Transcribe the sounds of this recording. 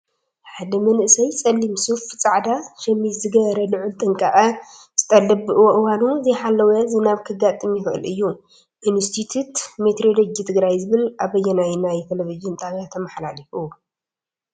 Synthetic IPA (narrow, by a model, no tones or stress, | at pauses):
ħad̪ɐmɐnʔɨsɐjt͡sʼɐlːimsuft͡sʼaʕd̪aʃɐmːizɨɡɐβɐɾɐnɨʕult̪ʼɨŋkʼaʔɐ | z̥ɨt̪ʼɐlːɐbɨʔɨwoʔɨwanuzɐjħalːɐwɐzɨnaβkʰɨɡat̪ʼɨmjɪxɨʔɨ̰lɨjːu | ʔɪnst̪ʰit̪ʰut̪met̪ɾoloɡit̪ʰɨɡɾajzɨβɨlaβɐjːɛnajnajt̪ʰelevid͡ʒɨnt̪ʼaβat̪ʰɐmaħlalifu